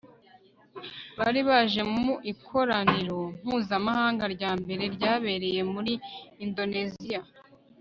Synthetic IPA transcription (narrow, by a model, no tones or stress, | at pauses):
βaɾiβaʒe̞muʔikʰo̞ɾaniɾo̞m̥huːzamahaːŋɡaɾɟaːmbe̞ɾe̞ɾɟaːβe̞ɾe̞je̞muɾiːndo̞ne̞zija